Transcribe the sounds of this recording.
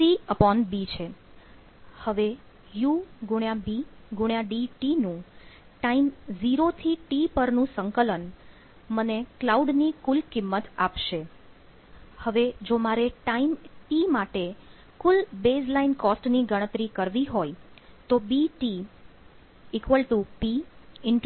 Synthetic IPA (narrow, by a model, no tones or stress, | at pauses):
siəpɔnbit͡ʃʰe | həʋe | juɡuɳjãbiɡuɳjãɖiʈinũ | ʈaimziɾot̪ʰiʈipəɾnũsəŋkələn | məneklauɖnikʊlkɪmːət̪apʃe | həʋed͡ʒomaɾeʈaimʈimaʈe | kulbed͡ʒlainkɔsʈniɡəɽ̃ət̪ɾikəɾʋiɦojt̪obiʈi | ekʋəlʈupiɪɳ